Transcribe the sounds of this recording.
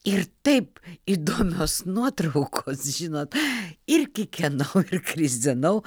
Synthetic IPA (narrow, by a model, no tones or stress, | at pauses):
ɪrt̪ɐɪpid̪oːmʲoːsnuɔt̪ɾɐʊkʰoːsʒʲɪnoːt̪ɪɾʲkʲɪkʲɛnɐʊɪrkɾʲɪzʲd̪ʲɪnɐʊ